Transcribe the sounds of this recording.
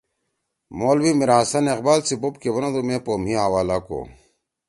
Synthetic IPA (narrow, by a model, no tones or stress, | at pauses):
moːlwimiɾasɐneqbaːlsibop̚kewɐnad̪umẽːpoːmiɦawaːlako̰ː